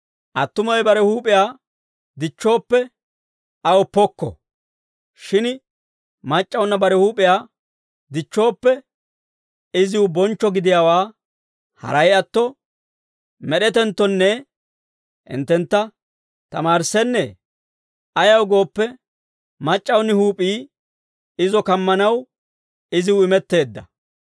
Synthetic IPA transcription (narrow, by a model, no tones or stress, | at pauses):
ʔɐt̪ːʊmɔjbɐɾɛhuːpʼɪjaː | d̪ɪt͡ʃːo̞ːpːɛ | ɐwɔpːɔkːɔ̰ | ʃɪn | mɐt͡ʃʼːɐwnːɐbɐɾɛhuːpʼɪjaː | d̪ɪt͡ʃːo̞ːpːɛ | ɪzɪwʊbɔnt͡ʃːɔɡɪd̪ɪjaːwaː | hɐ̰ɾɐjɐt̪ːɔ | mɛɗɛt̪ɛnt̪ːɔnːɛ | ʔɪ̰nt̪ːɛnt̪ːɐ | t̪ɐmaːɾsɛnːɛ | ɐjɐwɡo̞ːpːɛ | mɐt͡ʃʼːɐwnːɪhuːpʼiː | ɪzɔkɐmːɐnɐw | ɪzɪwʊɪmɛt̪ːe̞ːd̪ːɐ̰